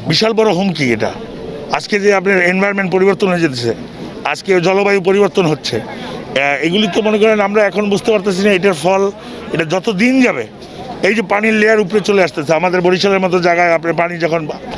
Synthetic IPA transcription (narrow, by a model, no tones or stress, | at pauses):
biʃalbɔɾoɦomkieʈa̰ | ad͡ʑked͡ʑeapneɾenbʱajoɾmeɳʈpoɾiboɾt̪onɦoed͡ʑet̪et͡ɕʰe | a̰d͡ʑked͡ʑɔlobajup̬oɾiboɾt̪onɦotːɕʰe | eɡulit̪omonekɔɾenamɾaɛkʰonbud͡ʑt̪epaɾt̪at͡ɕʰinaeʈaɾfɔl | eʈad͡ʑɔt̪od̪ind͡ʑabe | ejd͡ʑepanileaɾupɾet͡ɕoleaʃt̪et͡ɕʰeamad̪eɾboɾiʃaleɾmɔt̪̬od͡ʑaɡaeapnaɾpanid͡ʑɔkʰon